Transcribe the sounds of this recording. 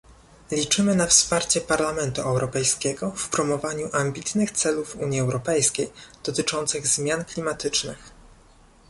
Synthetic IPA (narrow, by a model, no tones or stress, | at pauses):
lʲit͡ʂɘmɘnafspaɾt͡ɕɛpaɾlamɛnt̪uʔɛwɾɔpɛjskʲɛɡɔfpɾɔmɔvaɲuʔambʲit̪nɘxt̪sɛluvṵɲiɛwɾɔpɛjskʲejd̪̥ɔt̪ɘt͡ʂɔnt̪sɘɣzmʲjanklʲimat̪ɘt͡ʂnɘ̰x